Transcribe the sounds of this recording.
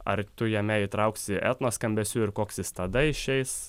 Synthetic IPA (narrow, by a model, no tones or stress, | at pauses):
ɐ̰ɾt̪ʊjɛmʲɛit̪ɾɐʊksʲɪʔɛ̰t̪noːskɐmʲbʲɛsʲuːɪɾkoːksʲɪst̪ɐd̪ɐɪʃʲɛɪs